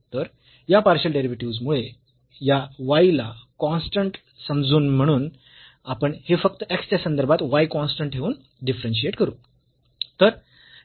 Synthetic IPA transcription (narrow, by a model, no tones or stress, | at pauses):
t̪əɾ | japaɾɕəlɖeɾiʋiʈiud͡zmuɭe | jaʋailakɔ̃nsʈəɳʈ | səmd͡zuːnm̤əɽ̃uːn | apəɳhefək̚t̪əekst̪jasənd̪əɾbʱat̪ʋajkɔnsʈəɳʈɦeuːn | ɖifɾənɕ̬ieʈkəɾuː | t̪əɾ